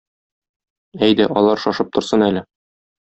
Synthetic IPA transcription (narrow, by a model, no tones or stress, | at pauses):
æjd̪æʔɒlˠɑɾʃɒʃɤp̚t̪ŏɾsɤnælɘ